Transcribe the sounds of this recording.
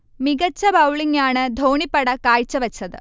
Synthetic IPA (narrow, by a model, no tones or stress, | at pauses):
miɡɐt͡ɕːɐbɐwɭiŋaːɳɨd̪ʱoːɳipːɐɽɐkaːjt͡ɕːɐʋɐt͡ɕːɐðɨ